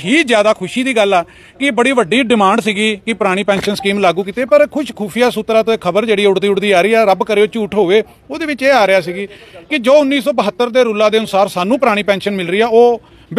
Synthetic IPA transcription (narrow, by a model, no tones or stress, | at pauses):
ɦiːzjaːd̪aːkʰʊʃiːd̪iːɡəlːɛː | kɪbəɽiːʋəɖːiːɖɪmãːɳɖsiːɡiːkɪpəɾaːɽ̃iːpɛ̃ːnʃənskiːmlaːɡũːkit̪eːpəɾkʰʊʃkʰuːpʰɪjaːsuːt̪ɾaːt̪õːɪkʰəbəɾd͡ʒeːɽiːʊɽd̪iːʊɽd̪iːaːɾiːɛːɾəbkəɾeːʊt͡ʃʊʈʰɦoːʋeː | oːd̪eːʋɪt͡ʃeːaːɾɪjaːsiːɡiːkɪd͡ʒoːʊnːiːsɔːbəɦət̪ːəɾd̪eːɾʊlaːd̪eːənʊsaːɾsaːnũːpəɾaːɽ̃iːpɛ̃ːnʃənmɪlɾəiːɛːoː | b